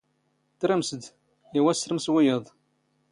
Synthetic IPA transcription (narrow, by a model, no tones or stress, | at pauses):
t̪ɾæmsəd̪ | jæwæsɾəmswijəðˤ